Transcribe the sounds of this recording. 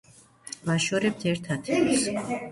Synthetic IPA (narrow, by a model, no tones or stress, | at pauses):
vaʃɔɾɛp̚t̪ʰɛɾt̪ʰat̪ʰis